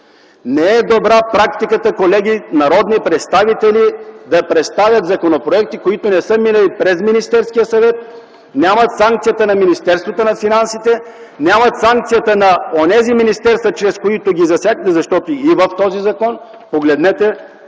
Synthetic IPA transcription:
nɛɛd̪obɾapɾakt̪ikət̪əkolɛɡ̟inɐɾɔd̪nipɾɛt̪st̪avit̪ɛlid̪ɐpɾɛt̪st̪avʲjət̪zɐkonopɾoɛk̚t̪ikoit̪onɛsɤminəlipɾɛzminist̪ɛɾskijəsɐvɛt̪̚ | nʲjamɐt̪saŋkt̪sijət̪ənɐminist̪ɛɾst̪vot̪onɐfinansit̪ɛ | nʲjamɐt̪saŋk̚t̪sijət̪ənɐonɛziminist̪ɛɾst̪vət͡ʃɾɛskoit̪oɡʲizɐsʲjaɡt̪ɛzɐʃt̪ɔt̪oivəft̪ɔzizɐkɔn | poɡlɛd̪nɛt̪ɛ

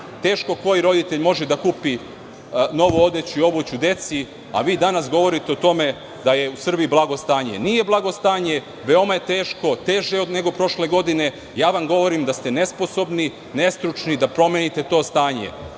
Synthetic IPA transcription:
t̪e̞ːʃko̞ko̞jiɾo̞d̪it̪e̞ʎmo̞ʒed̪akuːpi | no̞ʋoo̞d̪et͡ɕiobut͡ɕud̪e̞t̪si | a̰ʋiːd̪anasɡo̞ʋo̞ɾit̪eot̪o̞me̞ | d̪aje̞usr̩biiblˠaɡo̞st̪aːɲe̞̰nije̞blˠaɡo̞st̪aːɲe̞ | ʋeo̞maje̞t̪e̞ːʃko̞t̪e̞ʒeod̪ne̞ɡo̞pɾo̞ʃle̞ɡo̞d̪ine̞ | jaːʋamɡo̞ʋo̞ɾimd̪ast̪e̞ne̞spo̞so̞bni | ne̞st̪ɾut͡ʃnid̪apɾo̞mjenit̪e̞t̪o̞ːst̪aːɲḛ

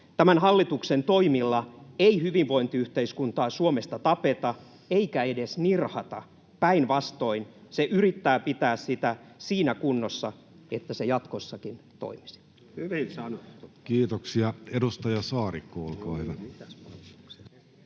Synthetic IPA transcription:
t̪æmænhɑlːit̪uksent̪oimilːɑeihyʋiʋʋo̞int̪iyht̪eiskunt̪ɑːsuomest̪ɑt̪ɑpet̪ɑ | eikæedesnirhɑt̪ɑ̰ | pæinʋɑst̪oinseʔyrit̪ːæːpit̪æːssit̪æsiːnækunːosːɑ | et̪ːæsejɑt̪kosːɑkint̪o̰imi̥si̥ | hyʋinsɑnukiːt̪oksiɑedust̪ɑjɑsɑːrikːoolkɑːeiʋæiæspɑu̥ks

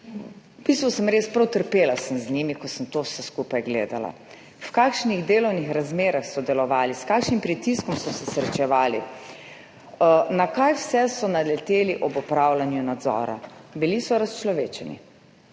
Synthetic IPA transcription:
pisʋɔsəmɾeːspɾɐwt̪əɾpeːlasəmznimikɔsəmt̪owsɛskupajɡlḛːd̪ala̰ | wkaːkʃniɣd̪eːlɔwnixɾazmeːɾaxsɔd̪ɛlɔʋaːliskaːkʃnimpɾit̪iskɔmsɔsɛsɾɛt͡ʃɛʋaːlḭ | nakajwsɛsɔnalɛt̪eːliʔɔbɔpɾaːwlanjunad̪zɔ̰ːɾa̰bilisɔɾast͡ʃlɔʋeːt͡ʃɛnḭ

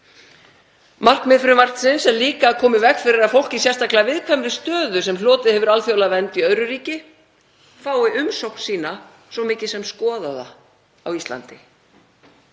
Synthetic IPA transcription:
mar̥knmɪðfɾʏmar̥t̪sɪnsɛmliːkakʰɔːmɪvɛkfɪɾɪɾaðfowl̥cɪsjɛrst̪aklavɪðkʰvɛmɾɪst̪œːðʏsɛmlɔːt̪ɪðhɛvʏɾalθjowlavɛnt̪iœðɾʏɾiːcɪ | faːwɪʔʏmsowhkn̥siːna | svɔmɪːcɪsɛmskɔːðaða̰ | awist̪la̰nt̪ɪ

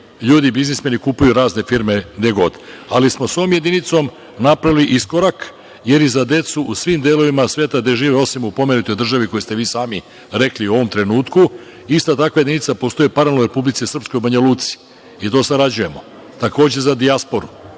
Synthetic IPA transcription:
ʎuːd̪ibiznismenikupujuɾaːzne̞fiɾme̞ɡd̪eɡo̞d̪alismo̞so̞ʋomje̞d̪init̪so̞m | napɾaʋiliʔisko̞ɾak | je̞ɾjizad̪e̞t̪suusʋiːmd̪elo̞ʋimasʋeːt̪ad̪e̞ʒiːʋeo̞simupo̞me̞nut̪o̞jd̪r̩ʒaʋiko̞jest̪e̞ʋiːsaːmi | ɾe̞kliuo̞ʋo̞mt̪ɾe̞nuːt̪ku | ist̪at̪akʋajed̪init̪sapo̞st̪o̞jipaɾalnoɾe̞publit̪sisr̩psko̞jubaɲaluːt̪si̥ | it̪o̞ːsaɾad͡ʑuje̞mo̞ | t̪ako̞ːd͡ʑezad̪iaspo̞ɾu

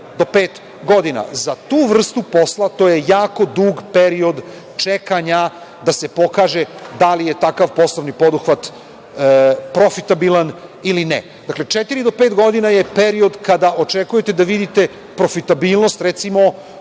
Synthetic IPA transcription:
d̪o̞peːt̪ | ɡo̞d̪ina̰zat̪uːʋr̩st̪upo̞slˠat̪oje̞jaːko̞d̪uːɡpeɾio̞d̪ | t͡ʃekaɲa | d̪ase̞po̞kaːʒed̪alijet̪akaʋpo̞slˠoʋnipo̞d̪uxʋat̪ | pɾo̞fit̪abilˠanilinɛ̰ | d̪akle̞t͡ʃet̪iɾid̪o̞peːt̪ɡo̞d̪inaje̞pe̞ɾio̞d̪kad̪aʔo̞t͡ʃekuje̞t̪ed̪aʋid̪it̪e̞ | pɾo̞fit̪abiːlˠno̞st̪ɾet̪simo̞

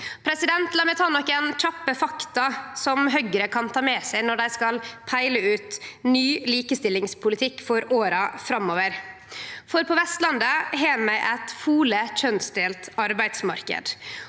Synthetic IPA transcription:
pʰɾɛsɪd̪ɛnt̪lɑmɛt̪ʰɑːnɔkːɛnc͡çɑpːəfɑkt̪ɑsɔmɦœɡəɾəkʰɑnt̪ʰɑːmɛsæɪnɔɖæɪskɑlpʰæɪləʉːt̪nyːliːkəst̪ɪlːɪŋspʰʊlɪt̪ʰɪkːfɔɾoːɾɑfɾɑmoːʋəɾ | fɔɾpʰɔʋɛst̪lɑnd̪əɦeːnmæɪʔæt̪fuːləc͡çœnsd̪eːlt̪ɑɾbæɪd̪smɑɾkə̰d̪

